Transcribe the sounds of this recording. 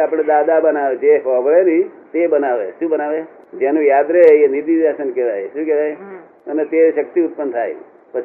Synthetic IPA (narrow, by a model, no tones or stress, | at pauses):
apɽ̃ed̪ad̪abənaʋed͡ʒeɦəʋɭenit̪ebənaʋeʃũbənaʋed͡ʒenũjad̪ɾeenid̪id͡ʒasənkeʋajʃũkeʋaj | ənet̪eʃək̚t̪iʊt̪̚pənt̪ʰa̰j | pət͡ʃʰ